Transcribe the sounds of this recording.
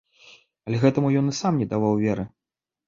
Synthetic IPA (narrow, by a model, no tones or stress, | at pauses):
ɐlʲɛɣɛt̪ɐmujɔnɨsamnʲɛd̪avawvʲɛɾɨ